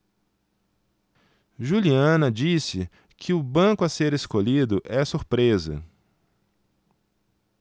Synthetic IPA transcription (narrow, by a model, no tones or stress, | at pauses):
ʒuliɐ̃nɐd͡ʒisɪ | kʰɪʊbɐ̃kʊɐseɾeskoʎid̪ʊʔɛsuɾpɾezɐ̰